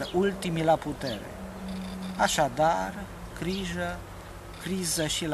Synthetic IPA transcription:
ult̪imilaput̪e̞̰ɾḛ | aʃad̪ar | kɾiʒə | kɾizəʃil

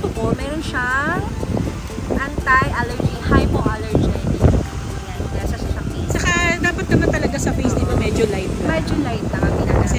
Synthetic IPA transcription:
t̪oʔomɛːɾonʃaŋ | ʔɐnt̪ajʔalɛɹd͡ʒihajpoʔalɛɹd͡ʒɛ̰n | jannasɐsɐʃɐpit͡ʃɐkad̪aːpɐt̪̚nɐmant̪ɐlɐɡasɐpejsnɪmɐmɛːd͡ʒolajt̪̚mɛd͡ʒolajt̪̚nɐŋʔɐmɪna̰ɐɛ

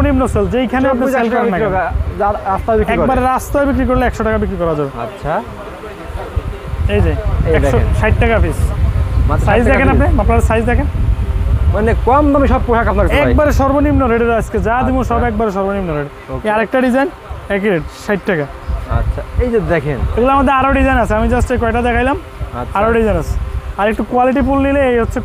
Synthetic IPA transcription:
onimnoseld͡ʑejkʰaneap̬neselɔnːɛaaɾast̪abikɛkbaɾeɾast̪aebik̬ɾik̬oɾleɛkʃoʈakabikɾikɔɾad͡ʑabeatːɕʰa | ejd͡ʑajɛd̪ʃoʃajʈ̚ːʈakaɔfʰismasajzd̪ɛkʰenapnemaplaɾsajzd̪ɛkʰen | manekɔmt̪amiʃɔb̚poʃakapnaɾkaɛkbaɾʃɔɾbonimnoɾeɖeɾasked͡ʑad̪imuʃɔbɛk̚baɾeʃ̬ɔɾbonimnoɾeɖ | eaɾek̚ʈaɖizajn | ɛk̬iɾeʈʃajʈʈɛka̰ʃʰaejd͡ʑed̪ɛkʰeneɡulaamad̪eɾaɾoɖizajnasʰeamid͡ʑasʈejk̬ɔɛʈad̪ɛkʰajlam | aɾoɖizajnasʰe̥aɾek̚ʈukualiʈ̬ipulnileejɦotːɕʰe

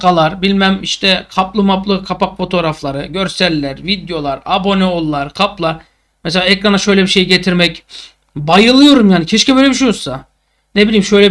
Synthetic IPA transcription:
kalˠaɾbilʲmæmiʃt̪ʰɛkʰaplˠɯmaplˠɯkʰapakfo̞t̪ʰoɾaflˠaɾɯɟø̞ɾsælʲːæɾvid̪jo̞lˠaɾabo̞neolˠːaɾkʰaplˠaɾ | mɛselʲaːekɾanaʃø̞jlʲɛbiʃe̞jiɟet̪ʰiɾmɛc | bajɯlˠɯjo̞ɾumjaːnicʰeʃcibø̞jlʲɛbiʃejoɾsa | nebilʲiːmʃøjlʲɛ

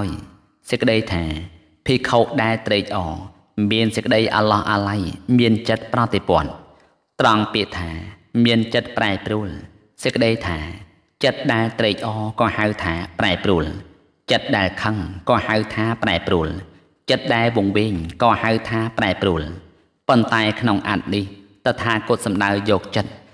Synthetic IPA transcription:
haəj | səkːəɗəjt̪ʰaː | pʰiːkʰoːʔ̚ɗaɛlt̪reːc̚ʔɑː | miənsəkəɗəjʔa̰lɑhʔalajmiənt͡ɕət̪̚prɑt̪epŏət̪̚ | t̪rɑŋpiəʔt̪ʰaːmiənt͡ɕət̪̚praɛpruəl | səckəɗəjt̪ʰaː | t͡ɕət̪̚ɗaɛlt̪reːc̚ʔɑːkɑːhaɨwt̪ʰaːpraɛpruəl | t͡ɕət̪̚ɗaɛlkʰəŋkɑːhawt̪ʰaːpraɛpruəl | t͡ɕət̪̚ɗaɛlʋŭəŋʋeːŋkɑːhawt̪ʰaːpaɛpruəl | pont̪aɛkʰnoŋʔa̰t̪̚niht̪ət̪ʰaːkuət̪̚sɑmɗaəjɔːk̚t͡ɕət̪̚

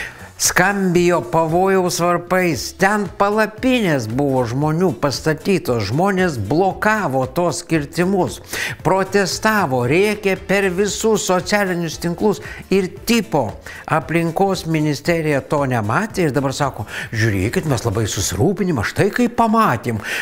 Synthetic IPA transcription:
skɐmʲbʲɪjoːpɐʋoːjɛʊsʋɐrpɐɪst̪ʲɛnpɐlˠɐpʲɪnʲeːsbʊʋoːʒmoːnʲuːpɐst̪ɐt̪ʲiːt̪oːsʒmoːnʲeːsblˠoːkɑːʋoːt̪oːssʲkʲɪɾʲt̪ʲɪmʊspɾoːt̪ʲɛst̪ɑːʋoːɾʲeːkʲɛpʲɛɾʋʲɪsʊssosʲæːlʲɪnʲʊst̪ʲɪŋklˠʊsɪɾt̪ʲɪpoː | ɐpʲlʲɪŋkoːsmʲɪnʲɪsʲt̪ʲæːɾʲɪjɛt̪oːnʲɛmɑːt̪ʲeːɪɾd̪ɐbɐɾsɑːkoːʒʲʊɾʲeːkʲɪt̪mʲɛslˠɐbɐɪsʊsʲɪɾuːpʲɪnʲɪmɐʃt̪ɐɪkɐɪppɐmɑːt̪ʲeːm

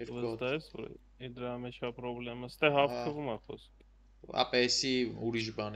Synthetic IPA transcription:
ɛɾvət̪aɦɛsvɔ̰ɾ̰ | id̪ɾamɛt͡ʃʰapɾɔblɛməst̪ɛɦaft̪ʰəvumaxɔ̰sk | ɑ̰pɛsiuɾiʃ̬bɑn

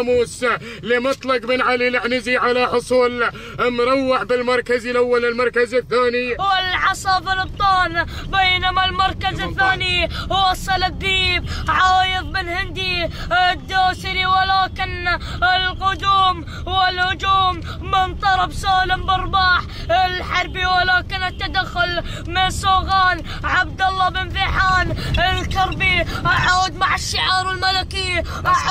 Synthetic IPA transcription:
muːs | lɪmɑt̪ˤlɑqmɪnʕalilɪʕnɪziʕalaħʊsˤuːl | lmʊɾˤɑwːɪʕbɪlmɑɾˤkazɪlʔawːalɪlmɑɾˤkazaθːaːniwɪlʕɑsˤɑfɪlɨb̚t̪ˤɑːlbejːnamalmɑɾˤkazɪθːaːniwɑsˤːɑlɪd̪ːiːb̚ʕɑːjɨðˤmɪnhɪnd̪id̪ːaːsɪɾiwalaːkɪnɪlqʊd̪uːm | wɪlhʊd͡ʒuːmː | ɪnt̪ˤɑɾˤɑbsaːlɪmbɑɾˤbaːħ | ɪlħɑɾˤbiwalaːkɪnɪt̪ːad̪axːʊl | mɪnsoːɣaːn | ʕab̚d̪ɑlˤːɑbɪnfiħaːnɪlkɑɾˤbiʕaːd̪maʕɪʃːɪʕɑːɾˤɪlmalaki

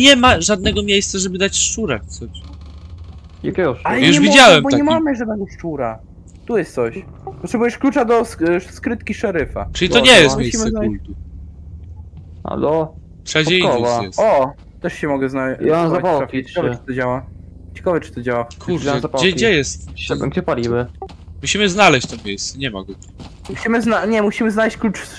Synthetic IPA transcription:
ɲɛmaʐad̪̚nɛɡɔmʲjejst̪saʐɛbɘd̪at͡ɕʂt͡ʂuɾa̰kt̪sɔɕ | jakʲɛɔalɛɲjuʂɛvʲid͡ʑawɛmbɔɲaɲɛmamʐad̪nɛɡɔʂt͡ʂuɾa | t̪ujɛst̪sɔɕ | pɔt̪ʂɛbujɛʂklut͡ʂad̪ɔsskɾɘt̪kʲiʂɛɾɘfa̰ʈ͡ʂɨlit̪ɔɲɛjɛst̪mmejɕimsɛkalt̪u | ha̰lɔ | t̪ʂad͡ʑpɔjkɔvajɛsɔ | t̪ɛʂɕɛmɔɡɛznaɔnazapawait͡ɕkavɛɨ̥t̪ɔd͡ʑawa | t͡ɕɛ̥kavɛt͡ʂɨ̥t̪ɔd͡ʑawakʰuɾjnzapaɛɡd͡ʑɛjɛst̪ɛ̰ɡd͡ʑɛpalʲibɘ | muɕimɘznalɛɕt͡ɕt̪ɔmʲjejst̪sɛɲɛma̰ɡɔ | muɕimɘznaɲɛmuɕimɘznalɛɕt͡ɕklut͡ʂ

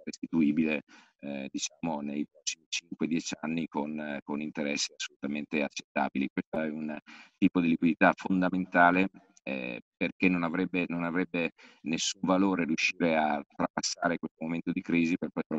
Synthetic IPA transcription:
rest̪it̪uiːbile | ɛd̪it͡ʃaːmonejpɾɔsːimit͡ʃiŋkwed̪jɛt͡ʃanːikonkonint̪eɾɛsːiasːolut̪ament̪eat͡ʃːe̥t̪ːa̰ːbilikwest̪oɛunt̪iːpod̪ilikwid̪it̪afond̪ament̪aːle | ɛ̰perkenːonavɾɛbːenonavɾɛbːenesːuɱvaloːɾerjuʃːiːɾeat̪ːɾapasːaːɾekwest̪omoment̪od̪ikɾiːziperpɔjt̪ɾo

